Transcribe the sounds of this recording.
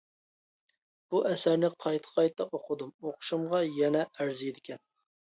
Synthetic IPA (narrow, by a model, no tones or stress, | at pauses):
b̥uʔɛsæɾnɪqʰɑjt̪ʰə̥qʰɑjt̪ʰːɑqoqʰʊd̪umoqʰʊ̥ʃumʁɑjɛnɛæɾzijd̪ɪkʲʰɛn